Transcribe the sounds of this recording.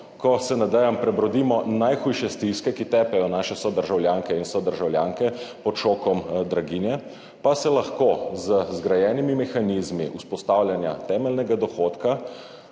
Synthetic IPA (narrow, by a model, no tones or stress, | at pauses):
kɔsɛnad̪ɛjampɾɛbɾɔd̪iːmɔnajxuːjʃɛst̪iskɛkit̪ɛːpɛjɔnaːʃɛsɔd̪əɾʒawljaːŋkɛinsɔd̪əɾʒawljaːŋkɛpɔt̪ʃoːkɔmd̪ɾaɡinjɛ | pasɛlaxkozəzɡɾajɛːnimimɛxaniːzmiʔuspɔst̪aːwlʲjanja̰t̪ɛːmɛlnɛɡad̪ɔxot̪ka